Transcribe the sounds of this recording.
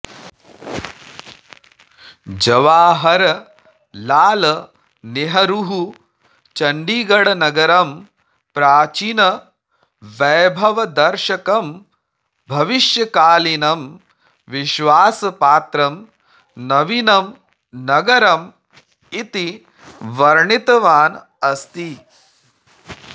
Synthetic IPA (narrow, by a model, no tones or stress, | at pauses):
d͡ʒɐʋaːɦɐɾɐ | laːlɐ | niɦɐɾuɦu | t͡ʃɐɳɖiːɡɐɽɐnɐɡɐɾɐm | pɾaːt͡ʃinɐ | ʋɐːbʱɐʋɐd̪ɐɾʃɐkɐm | bʱɐʋiʃjɐkaːlinɐm | ʋiʃʋaːsɐpaːt̪ɾɐm | nɐʋinɐm | nɐɡɐɾɐm | it̪i | ʋɐɾɳit̪ɐʋaːn | ɐst̪i